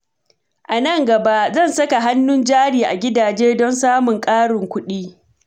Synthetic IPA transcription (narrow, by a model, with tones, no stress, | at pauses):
ʔa˨nɐ˦˨ŋɡɐ˨ba˦ʔzɐ˦˨nsɐ˦ka˨ɦa˦nːʊ˦nd͡ʒaː˦ɽiː˨ʔa˨ɡʲɪ˦daː˨d͡ʒeː˦dɔ˦nsaː˦mʊ˨ŋkʼaː˦ɽɪ˨ŋkʷʊ˦ɗiː˦